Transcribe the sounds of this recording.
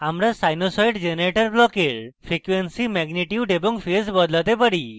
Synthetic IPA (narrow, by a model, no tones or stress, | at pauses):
amɾasajnosɔjɖd͡ʒenɾeʈɔɾblɔkeɾpʰɾikwensimɛɡniʈjuɖebɔŋpʰesbɔd̪lat̪epaɽi